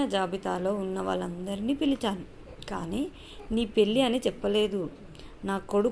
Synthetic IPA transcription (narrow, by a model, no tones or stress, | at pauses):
ɐd͡ʒaːbit̪aːlo̞ːunːɐʋa̰ːɭɐnd̪ɐɾiniːpilit͡ʃaːni | ka̰ːniː | niːpe̞lːiɐnit͡ʃɛpːɐle̞ːd̪u | naːko̞ɽu